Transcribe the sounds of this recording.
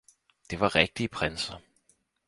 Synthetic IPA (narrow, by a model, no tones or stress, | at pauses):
d̥e̝ʋɑ̈ʁɛɡ̥̚d̥iːpʰʁensɐ